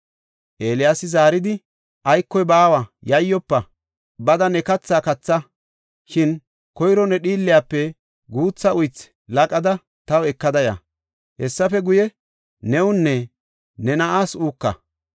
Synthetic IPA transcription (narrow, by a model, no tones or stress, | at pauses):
ʔeːlɪjaːsɪzaːɾɪd̪ɪ | ʔɐjkːɔjbaːwajɐjːɔpːɐ | bɐd̪ɐnɛkɐt͡sːaːkɐt͡sːɐ | ʃɪn | kɔjɾɔnɛɗiːlːɪjaːpːɛ | ɡuːt͡sːɐʊjt͡s | lɐkʼɐd̪ɐ | t̪ɐwɛkːɐd̪ɐjɐ̰ | hɛsːɐfɛɡʊjɛ | nɛʊnːɛ | nɛnɐʔaːsuːkːɐ̰